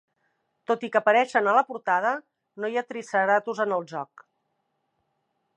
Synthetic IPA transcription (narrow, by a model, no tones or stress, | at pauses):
t̪ot̪ikəːpəɾɛʃənələpuɾt̪að̞ə | nojat̪ɾisəɾat̪uzənəlˠʒɔk